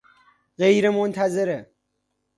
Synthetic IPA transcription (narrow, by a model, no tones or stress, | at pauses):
ɢejɾemont̪ʰæzeɾe